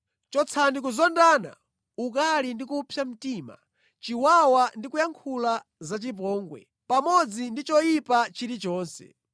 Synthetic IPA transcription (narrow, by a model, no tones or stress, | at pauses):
t͡ʃɔt͡sʰandik̬uzɔndaːna̰ | uk̬alindikupʰjam̩tiːma̰ | t͡ʃiwawandikujaŋkʰula | zat͡ʃip̬ɔːŋɡwɛ̰ | pamɔd͡zindit͡ʃɔjipat͡ʃiɾit͡ʃɔːnsɛ̰